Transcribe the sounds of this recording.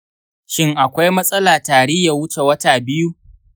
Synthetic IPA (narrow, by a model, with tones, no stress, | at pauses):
ʃɪ˦ŋʔa˨kʷa˦jmɐ˦sʼɐ˦laː˨taː˨ɽɪ˦jːa˨wʊ˦t͡ʃe˨wɐ˦taː˨bɪ˦ju˦ʔ